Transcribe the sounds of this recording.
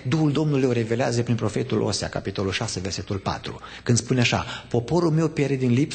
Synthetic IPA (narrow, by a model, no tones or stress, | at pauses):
d̪uhuld̪o̞mnulujoɾe̞ve̞leazəpɾinpɾo̞fe̞t̪ulʔo̞̰sea̰kapit̪o̞lulʃaseverse̞t̪ulpa̰t̪ɾṵ | kɨnd̪spuneaʃa̰po̞po̞ɾulme̞wpjeɾed̪inlip